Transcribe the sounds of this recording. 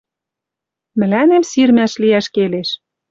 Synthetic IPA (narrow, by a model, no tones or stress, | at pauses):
mɘ̆lænemsirmæʃliæʃkeleʃ